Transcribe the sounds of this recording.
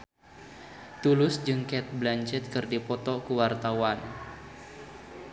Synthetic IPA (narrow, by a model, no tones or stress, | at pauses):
t̪ulʊsd͡ʒɨŋkɛt̪̚blaɲt͡ʃɛt̪̚kɨrdipɔt̪ɔkuwart̪awan